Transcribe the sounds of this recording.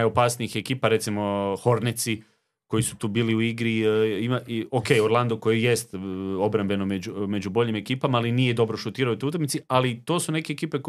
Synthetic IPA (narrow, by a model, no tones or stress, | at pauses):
ajo̞paːsniixekiːpaɾe̞t̪simo̞xo̞ɾnet̪si | ko̞jisut̪uːbiːliuiɡɾiimaokejoɾlˠand̪oko̞jejest̪o̞bɾambe̞nomed͡ʑume̞d͡ʑubo̞ʎime̞kiːpamaalinije̞d̪o̞bɾo̞ʃut̪iːɾaojot̪out̪akmit̪sialit̪o̞ːsune̞ke̞ːkiːpe